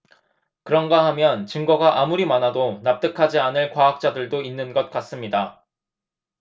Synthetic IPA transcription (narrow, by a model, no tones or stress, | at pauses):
kɯɾʌnɡahamjʌnt͡ɕɯŋɡʌɡaʔamuɾimanɦadonap̚t͈ɯkʰad͡ʑianɯɭkwaɦak̚t͡ɕ͈adɯɭdoinːɯnɡʌt̚k͈as͈ɯmɲida